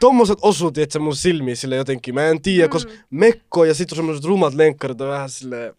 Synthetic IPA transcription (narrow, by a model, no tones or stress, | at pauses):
t̪omːoset̪osuːt̪iet̪semːusilmiːsilːejot̪eŋkːˑiːmæent̪iːjækosmekːoːjɑsit̪ːusemːoset̪rumɑt̪leŋkːɑrit̪ɑʋæhæsilːeː